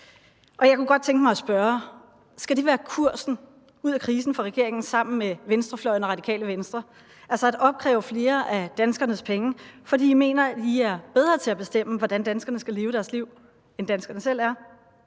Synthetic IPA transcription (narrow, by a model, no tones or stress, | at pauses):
ʔɒ̽jɑ̈ɪkuɡ̥ɒ̽d̥̚t͡sʰeŋɡ̥mɑɪsb̥ɶɐ | sɡ̥æd̥e̝ʋæːɐkʰuɐ̰sn̩ | uð̞̰ˠækʰʁiːsn̩fɒʁɛɡ̥e̝ɐ̰e̝ŋn̩sɑ̈m̰n̩meʋensd̥ʁɐflɒ̽ɪnɒʁɑ̈dikʰɛ̰ːləʋensd̥ʁɐ | ʔælsɐæd̥ɒ̽b̥̚kʰʁɛ̰ːʊfle̝ːɐʔæd̥ænsɡ̥ɐnəspʰeŋəfɒdḭːdime̝̰ːnɐæ̥iæɐb̥eð̞ˠʁɐːt͡sʰe̝æb̥e̝sd̥em̰əʋɒd̥ænd̥ænsɡ̥ɐnəsɡ̥æle̝ːʊəɾ̥æɐsliʊ̰ | end̥ænsɡ̥ɐnəsel̰æɐ